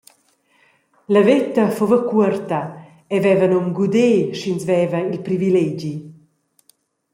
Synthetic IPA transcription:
lɐvet̪ɐfovəkuəɾt̪ɐ | ɛvɛvɐnɔmɡud̪eːʃinsvɛvɐilpɾivilɛd͡ʒi

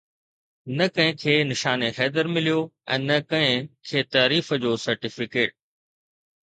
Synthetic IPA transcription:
nɐkɐ̃ɦɪ̃kʰeːnɪʃaːnexɛːd̪əɾmɪlijoɛ̰̃ːnɐkɐ̃ɦɪ̃kʰeːt̪aːɾiːfəd͡ʑoːsɐɾʈɪfɪkeːʈ̚

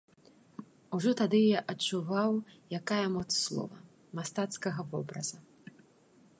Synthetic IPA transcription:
uʐɔt̪ad̪ɨjaʔɐt͡ʂuvawjakajɐmɔt̪sslˠɔ̰vɐ | mast̪at̪skɐɣɐvɔbɾɐzɐ

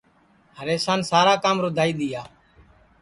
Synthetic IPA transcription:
ɦəɾeːsaːnsaːɾaːkaːmɾod̪ʱaːiːɗ̪iːjaː

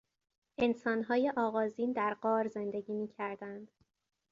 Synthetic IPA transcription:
ʔe̞nsɒːnɦɒːje̞ʔɒːɣɒːziːnd̪æɾɢɒːɾze̞nd̪e̞ɟiːmiːcʰæɾd̪ænd̪̥

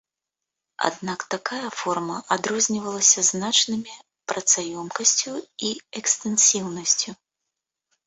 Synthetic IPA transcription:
a̰d̪nakt̪akajɐfɔrmɐʔad̪ɾɔzʲnʲivɐlˠɐsʲɐznat͡ʂnɨmʲi | pɾɐt̪sajɔmkɐsʲt͡sʲuiɛkst̪ɛnsʲiwnɐsʲt͡sʲu

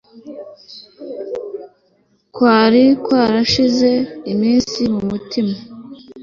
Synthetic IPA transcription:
kwaːɾikwaːɾaʃize̞imiːnsimumutima

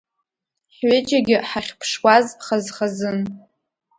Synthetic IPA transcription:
ħɥɪt͡ʃʼaɡʲɪħaχʲpʰʂwazχazχazɨn

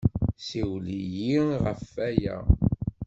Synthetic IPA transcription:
siwlijiʁəfːæjæ̰

